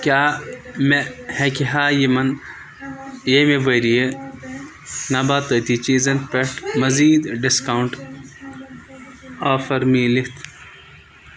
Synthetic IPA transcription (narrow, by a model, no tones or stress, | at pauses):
kjaːmehekiɦaːjimɐn | jemeʋɐɾije | naːbaːt̪ət̪it͡ʃiːzɐnpeʈʰmɐziːd̪ɖiskawɳʈ | aːfɐɾmiːlit̪ʰ